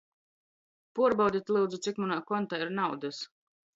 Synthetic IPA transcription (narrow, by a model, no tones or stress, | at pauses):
puɔɾbawd̪ʲit̪ʲlˠuːd̪zut̪sikmanaːkɔnt̪aːiɾnawd̪ɨs